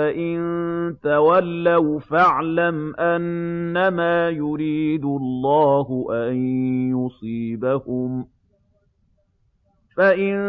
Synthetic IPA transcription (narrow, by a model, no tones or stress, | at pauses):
aʔɪnt̪awalːawfaʕlamʔanːamaːjʊɾiːd̪ʊɑlˤːɑːhʊʔanjʊsˤiːbahʊm | faʔɪn